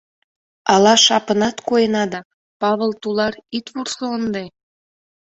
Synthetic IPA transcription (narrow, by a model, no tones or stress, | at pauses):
ɑlɑʃɑpənɑt̪koenɑd̪ɑ | pɑβəlt̪ulɑɾit̪βursoənd̪e